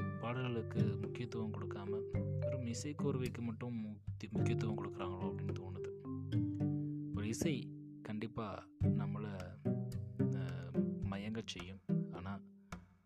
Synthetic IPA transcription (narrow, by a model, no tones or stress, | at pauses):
paːɽɯɣɐɭɯkːɯmʊkːɪjɐt̪ːʊʋɐmkɔɽɯkːaːmɐʋɛɾɯmɪsɐɪkoːɾɯʋɐɪkːɯmɐʈːɯ̃mmʊkːɪjɐt̪ːʊʋɐmkɔɽɯkːɐɾaːŋɡɐɭoːɐpːɐɽɪnːɐt̪uːnɐðɯ | pɔɾɪsɐɪ | kɐɳɖɪpːaːnɐmːɐɭ | mɐjɐŋɡɐt͡ʃɛjːɯ̃maːnaː